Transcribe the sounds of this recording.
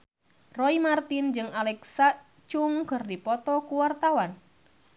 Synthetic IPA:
rɔimart̪ind͡ʒɨŋalɛksa | t͡ʃʊŋkɨrdipɔt̪ɔkuwart̪awan

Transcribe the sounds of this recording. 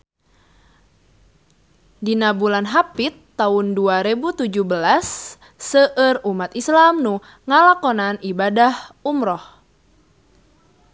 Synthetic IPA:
dinabulanɦapit̪ːaunduaɾebut̪ud͡ʒuhbəlasː | əʔərumat̪islamnu | ŋalakɔnanibadahumɾɔh

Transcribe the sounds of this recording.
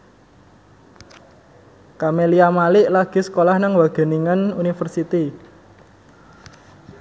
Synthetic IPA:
kameliamalɪʔlaɡ̥i̤sə̥kolahnəŋwaɡ̥ə̤niŋənunifərsit̪i

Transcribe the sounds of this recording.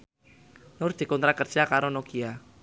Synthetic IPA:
nʊrd̪̥i̤kɔnt̪ɾakərd͡ʒakaɾonokia

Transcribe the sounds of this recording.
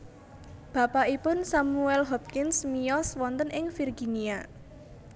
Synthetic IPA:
b̥a̤paʔipʊnsamuɛlɦɔp̚kɪnsmijɔswɔnt̪ənɪŋfirɡinia

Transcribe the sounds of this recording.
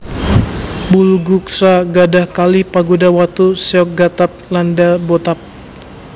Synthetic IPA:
bulɡuksaɡadahkalipaɡudawat̪usɛɔk̚ɡat̪ap̚landabot̪ap̚

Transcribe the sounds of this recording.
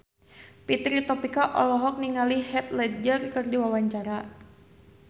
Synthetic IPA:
pit̪ɾit̪ɔpikaʔɔ̰lɔɦɔk̚niŋalihɛt̪lɛd͡ʒərkɨrdiwawaɲt͡ʃaɾa

